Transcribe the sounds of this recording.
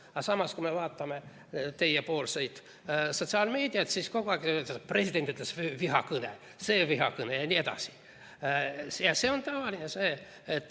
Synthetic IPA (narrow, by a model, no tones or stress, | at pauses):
ɑsɑmɑskume̞vɑːt̪ːˑɑme̞ | t̪e̞jepo̞ːlse̞jd̪̥ | so̞t̪siɑːlme̞ːd̪iɑt̪sisko̞ɡoɑɡit̪ːespre̞sid̪̥e̞nt̪ːˑyt̪lesvviɦɑ̰kɯnḛ | se̞ːviɦɑkɯnejɑnʲie̞d̪̥ɑ̰si̥ | jɑse̞ːo̞nt̪ɑvɑlʲinese̞ː | t̪ːˑ